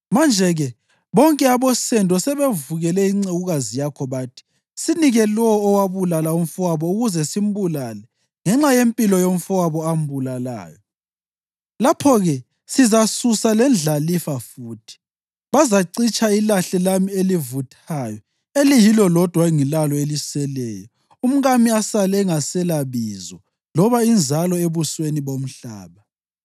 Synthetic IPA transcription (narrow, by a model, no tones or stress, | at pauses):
mand͡ʒʱɛɣɛ | βɔŋkʼɛaβɔsɛndʱʼɔsɛβevuɣɛlɛiŋ͡ǀeɣuɣazijakʰɔβaːtʰi̥ | siniɣɛlɔːwaβulalaum̩fuwaβɔuɣuzɛsim̩bulaːlɛ | ŋɛŋ͡ǁajempʼilɔjoɱ̩fuwaβɔam̩bulala̰ːjɔ | lapʰɔɣɛ | sizasusalɛnd͡ɮʱalifafuːtʰi̥ | βazaǀit͡ʃʼʰailaɬɛlamielivutʰajɔ | elijilɔlɔd̥ʱwaŋilalɔelisɛlɛːjɔ | um̩ɣamiasalɛɛŋasɛlaβizɔ | lɔβaind͡zʱalɔeβusweniβom̩ɬa̰ːβa